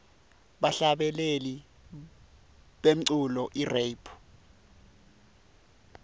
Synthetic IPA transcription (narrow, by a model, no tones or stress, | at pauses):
ɓaɬaɓɛleli | ɓem̩ǀulɔʔirejpʰu̥